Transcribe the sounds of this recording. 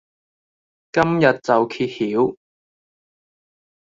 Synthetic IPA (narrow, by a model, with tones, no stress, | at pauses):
kɐ˥mjɐ˨t̚t͡sɐ˨wkʰiː˧t̚hiː˨˥w